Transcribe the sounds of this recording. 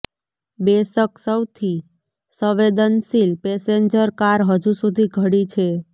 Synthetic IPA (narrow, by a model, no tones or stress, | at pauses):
besəksəwt̪ʰi | səʋed̪ənsilpeseɲd͡ʒəɾkaɾɦəd͡ʒusud̪ʱiɡʱəɽit͡ʃʰe